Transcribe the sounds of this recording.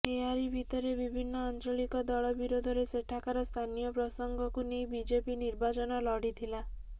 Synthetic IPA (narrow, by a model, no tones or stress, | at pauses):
eaɾibʱit̪ɔɾebibʱinːɔant͡ʃɔɭikɔd̪ɔɭɔbiɾod̪ʱɔɾeseʈʰakaɾɔst̪ʰanijɔpɾɔsɔŋɡɔkunejbid͡ʒepiniɾbat͡ʃɔnɔlɔɽit̪ʰila